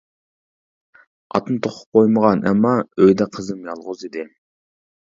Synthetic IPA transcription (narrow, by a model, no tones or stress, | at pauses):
ɑt̪ɨnɨt̪ʰoχʰʊ̥p̚qʰojməʁɑnɛ̰mːɑøjd̪ɛqʰəzɨmjɑlˠʁʊzid̪ɪ